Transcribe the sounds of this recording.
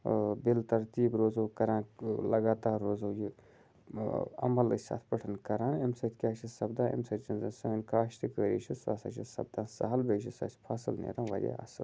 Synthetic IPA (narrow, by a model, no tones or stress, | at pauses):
bilt̪ɐɾt̪iːbɾoːzoːkɐɾãːnlɐɡaːt̪aːɾːoːzoːji | ɐ̰mɐlɨsa̰ːt̪ʰpɐʈʰɐnkɐɾãːnemsɐt̪ʰʲkʲaːt͡ʃʰisɐbd̪ãːʔḛmsɐtt͡ʃɐnzɐnsɐinkʰaːʃt̪ʰɨkəːɾḭːt͡ʃʰiswa̰ːsa̰t͡ʃʰisɐ̰b̚d̪ãːnsɐ̰ɦɐlbeːʃʰisa̰ːsʲpʰaːsɨlnḛːɾɐːnʋɐ̰ɾʲja̰a̰ːsɨ̰